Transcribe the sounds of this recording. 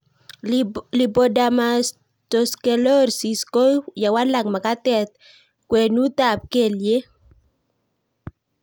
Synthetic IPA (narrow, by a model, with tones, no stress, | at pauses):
li˨bo˨da˨mas | to˨ske˨lo˦ɾsi˨sko˦ja˨wa˦la˨kma˨ka˦tɛ˨t̪̚ | kwɛ˨nu˦ta˨p̚ke˨lje˦